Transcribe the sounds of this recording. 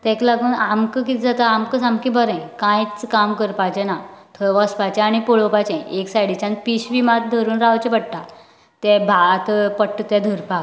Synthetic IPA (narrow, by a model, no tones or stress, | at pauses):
t̪ɛ̃klaɡuːnamkəkit̪d͡zat̪aːmkəsamkibəɾə̃kãjt͡skamkəɾpat͡ɕɛ̃nat̪ʰəʋɔspat͡ɕɛ̃aɽ̃ipoɭopat͡ɕɛ̃ʔeksajɽit͡ɕãnpiɕʋimat̪̚d̪ʱəɾuːnɾaʋt͡ɕɛ̃pəɽʈ̪a | t̪ɛ̃bʱat̪əpəʈːt̪ɛd̪ʱəɾpak